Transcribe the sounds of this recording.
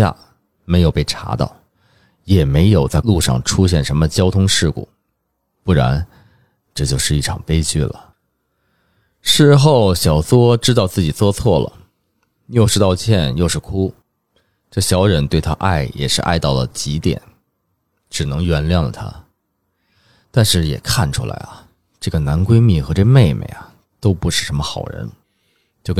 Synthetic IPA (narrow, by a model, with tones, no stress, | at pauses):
a̰˥˩ | me˧˥ɪjo˨˩ʊpe˥˩ɪʈ͡ʂʰa̰˧˥t̪ɑ̰˥˩ʊ | jɛ˨˩me˧˥ɪjo˨˩ʊt͡sa˥˧ɪlu˥˧ʂɑ̰˥˩ŋʈ͡ʂʰu˥ɕjɛ˥˩nʂə˧˥nmə˧t͡ɕjɑ˥ʊt̪ʰʊ˥ŋʂɻ̩˥˩kṵ˨˩˦ | pu˥˩ɻa̰˧˥n | ʈ͡ʂɤ˥˩t͡ɕjo˥˧ʊʂɻ̩˥˧i˥˩ʈ͡ʂʰɑ˨˩ŋpe˥ɪt͡ɕy˥˩lə̰˩ | ʂɻ̩˥˧xo˥˩ʊɕjɑ˨˩ʊswɔ˥ʈ͡ʂɻ̩˥t̪̬ɑ˥˧ʊt͡sɹ̩˥˩t͡ɕi˨˩t͡swɔ˥t͡sʰwɔ˥˩lə̰˩ | jo˥˧ʊʂɻ̩˥˧t̪ɑ˥˧ʊt͡ɕʰjɛ˥˧njo˥˧ʊʂɻ̩˥˩kʰu˥ | ʈ͡ʂɤ˥˩ɕjɑ˧˥ʊɻə˧˥nt̪we˥˩ɪt̪ʰa̰˦˥ʔa̰˥˩ɪjɛ̰˨˩ʂɻ̩˥˧ʔa̰˥˧ɪt̪ɑ˥˩ʊlə̰˩t͡ɕi˧˥t̪jɛ̰˨˩˦n | ʈ͡ʂɻ̩˨˩nɤ˧˥ŋɥɛ˧˥nljɑ˥˩ŋlə̰˩t̪ʰa̰˥ | t̪a˥˧nʂɻ̩˥˩jɛ̰˨˩kʰa˥˩nʈ͡ʂʰu˥la̰˧˥ɪɐ̰˨˩ | ʈ͡ʂɤ˥˩ɡə˩na˧˥nkwe˥ɪmi˥˩xɤ˧˥ʈ͡ʂɤ˥˧me˥˩ɪmḛ˨˩ɪa˩ | t̪o˥ʊpu˧˥ʂɻ̩˥˩ʂə˧˥nmə˧xɑ˨˩ʊɻə̰˧˥n | t͡ɕjo˥˧ʊk